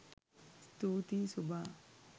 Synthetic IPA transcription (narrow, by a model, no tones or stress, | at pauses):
st̪uːt̪isubʱaː